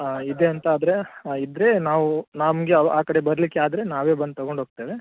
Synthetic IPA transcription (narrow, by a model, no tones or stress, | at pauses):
id̪eɐnt̪aːd̪ɐɾe̞id̪ɾe̞naːʋunaːmɡeɐaːkɐɽebɐɾlikːeaːd̪ɐɾe̞naːʋeːbɐnd̪̚t̪ɐɡo̞ɳɖʱɦoːɡ̚t̪eːʋe